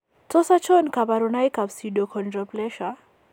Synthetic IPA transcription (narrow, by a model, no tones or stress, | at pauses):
tɔsat͡ʃɔnkaβaɾunajkabsiɗɔkʰɔndrɔplɛʃa